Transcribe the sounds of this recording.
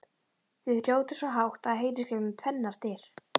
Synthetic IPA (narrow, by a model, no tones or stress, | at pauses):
θɪðrjoːwt̪ɪ̥svɔɦawxt̪aðɦejɾɪscɪmɪmt̪ʰvɛnːaɾ̥t̪ɪɾ̥